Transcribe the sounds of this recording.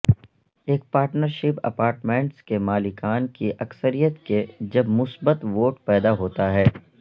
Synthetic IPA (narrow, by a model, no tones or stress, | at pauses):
eːk̚paːɾʈnəɾʃɪpɐ̰paːɾʈmẽːɳʈskemaːlɪkaːnkiʔɐksəɾijət̪ked͡ʒɐbmʊsbət̪ʋoːʈpɛːd̪aɦoːt̪aɦɛː